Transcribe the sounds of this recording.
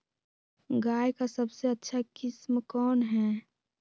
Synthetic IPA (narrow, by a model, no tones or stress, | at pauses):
ɡaːjkasəbseətːʃʰakɪsmkɔːnɦɛː